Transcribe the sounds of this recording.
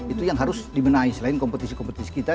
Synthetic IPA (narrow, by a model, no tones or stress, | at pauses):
it̪ujaŋɦaɾʊsdibənaisəlaɪnkɔmpət̪isikɔmpət̪isi̥kit̪a